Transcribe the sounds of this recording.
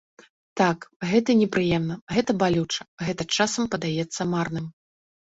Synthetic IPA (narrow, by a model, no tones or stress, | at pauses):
t̪akɣɛt̪ɐnʲɛpɾɨjɛmnɐɣɛt̪ɐbalʲut͡ʂɐ̥ɣɛt̪ɐt͡ʂasɐmpɐd̪ajɛt̪sːɐmarnɨm